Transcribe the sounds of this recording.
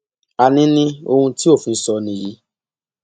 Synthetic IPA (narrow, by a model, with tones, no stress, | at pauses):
a˧nĩ˦nĩ˦o˧hũ˧ti˦o˦˨fĩ˧˦sɔ˧nĩ˧˨ji˨˦